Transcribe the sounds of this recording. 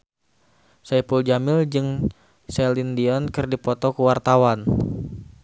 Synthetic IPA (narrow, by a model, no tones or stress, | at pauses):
saipuld͡ʒamɪld͡ʒɨŋ | sɛlindiɔnkɨrdipɔt̪ɔkuwart̪awan